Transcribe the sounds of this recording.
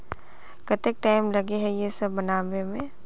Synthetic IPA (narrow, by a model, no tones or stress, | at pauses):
kɐt̪ek̚ʈaːɪmlɐɡeɦɛjesɐbːɐnaːʋemẽ